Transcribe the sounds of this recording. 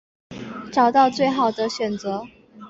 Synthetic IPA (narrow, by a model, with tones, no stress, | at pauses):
ʈ͡ʂɑ˨˩ʊt̪ɑ˥˧ʊt͡swe˥˩ɪxɑ˨˩ʊd̪ə˦ɕɥɛ˨˩nt͡sɤ˧˥